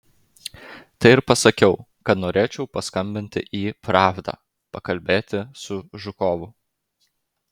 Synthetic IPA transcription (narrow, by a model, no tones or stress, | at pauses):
t̪ɐɪɪɾpɐsɐkʲɛʊkɐt̪noːɾʲeːt͡ʃʲɛʊpɐskɐmʲbʲɪnʲt̪ʲɪ̰ʔiːpɾɑːvd̪ɑ̰ː | pɐkɐlʲbʲeːt̪ʲɪsʊʒʊkɔːʋʊ